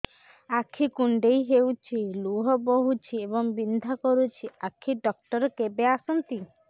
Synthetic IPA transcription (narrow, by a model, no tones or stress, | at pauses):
akʰːikuɳɖejɦewt͡ʃʰiluɦɔbɔɦut͡ʃʰiebɔŋbind̪ʱakɔɾut͡ʃʰiakʰiɖɔk̚ʈɔɾɔkebeasɔnt̪i